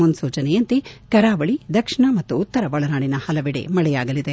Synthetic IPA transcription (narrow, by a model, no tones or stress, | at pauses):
unsuːt͡ʃɐnɛjɐnt̪ekɐɾaːʋɐɭid̪ɐkʂiɳɐmɐt̪ːuːt̪ːɐɾɐʋɐɭɐnaːɳinɐhɐlɐʋiɽḛmɐɭɛjaːɡɐlid̪e